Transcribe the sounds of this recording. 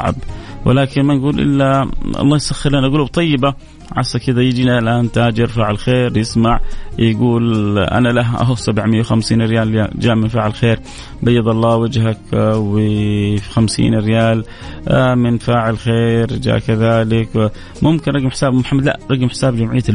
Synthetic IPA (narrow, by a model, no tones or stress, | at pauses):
ʕa̰bwʔɪ̰laːkɪnmanɡuːlʔɪ̰lːaɑ̰lˤːɑːjsaxːɪɾlanʔaɡuːlub̚t̪ˤɑjːɪba | ʕa̰sːakːɪd̪ajɪd͡ʒiːniʔalʔaːnt̪aːd͡ʒɪɾfaʕɪlxeːɾjɪsmaʕjɡuːlʔa̰nalaɦʔa̰ɦʊfsabʕmɪjːawxamsiːnɾɪjaːljad͡ʒaːʔmɪnfaːʕɪlxeːɾ | bajːɑd̪ˤɑlˤːɑːwad͡ʒɦakw | xamsḭːnɪrːɪjaːl | mɪnfaːʕɪlxeːɾd͡ʒa̰ːʔkaðaːlɪk | mʊmkɪnɾˤɑɡɪmħɪ̥saːbmʊħamːad̪la̰ʔɾˤɑɡɪmħɪ̥saːbd͡ʒamʕɪjːa